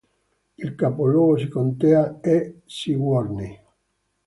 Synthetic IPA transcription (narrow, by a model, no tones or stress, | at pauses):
ilkapolwoːɣosikont̪eaesiɡwɔɾni